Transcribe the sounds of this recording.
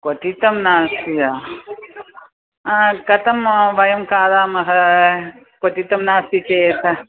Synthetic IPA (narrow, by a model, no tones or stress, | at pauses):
kot̪it̪ɐmnaːsija | kɐt̪ɐmʋɐjɐmkaːðaːmɐɦɐ | kot̪it̪ɐmnaːsit͡ʃet̪ʰɐ